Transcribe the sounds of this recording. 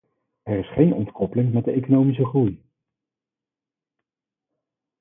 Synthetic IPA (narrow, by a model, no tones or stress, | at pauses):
ɛɹɪsχejnɔ̰ntkɔpəlɪŋmɛt̚dəejkonowmis̬əχruj